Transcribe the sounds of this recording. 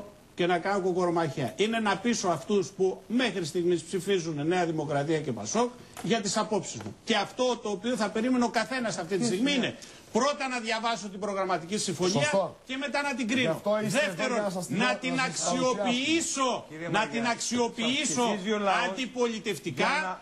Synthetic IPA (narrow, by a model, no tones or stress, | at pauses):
ce̞nɐkɐnokoko̞ɾomɐçɐ̰ʔine̞nɐpiso̞ɐft̪uspume̞xɾist̪iɣmispsifizunene̞ɐðimo̞kɾɐt̪iɐce̞pɐ̰so̞k | ʝɐt̪isɐpo̞psizmṵce̞ɐft̪o̞t̪o̞ːpio̞θɐpe̞ɾimeneo̞kɐθe̞nɐsːɐft̪it̪isst̪iɣmiine̞ | pɾo̞t̪ɐnɐðʝɐvɐso̞t̪̬ibɾo̞ɣɾɐmɐt̪icisiɱfoɲiɐce̞me̞t̪ɐnɐt̪̬iɡɾioðeft̪eɾonnɐt̪inɐkssio̞piiso̞nɐt̪inɐksio̞piiso̞ɐnd̪ipo̞lit̪e̞ft̪ikɐ